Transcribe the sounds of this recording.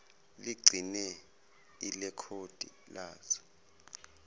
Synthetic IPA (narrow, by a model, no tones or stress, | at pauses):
liɡ͡ǀʱinɛ | ilɛkʰod̥ʱʼḭ | laːzɔ̥